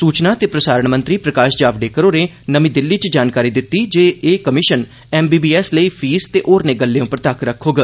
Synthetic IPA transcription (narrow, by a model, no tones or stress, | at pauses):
suːt͡ʃnaːt̪eːpɾəsaːɾəɳmə̃nt̪ɾiːpɾəkaːʃd͡ʒaːʋɖeːkəɾoːɾeː | nəmĩːd̪ɪlːiːt͡ʃd͡ʒaːnkaːɾiːd̪ɪt̪ːiːd͡ʒeːeːkəmɪʃən | ɛːmbiːbiːɛːsləiːpʰiːst̪eːʔoːɾneːɡəlːeːõːpəɾət̪aːkʰɾəkʰːoːɡaː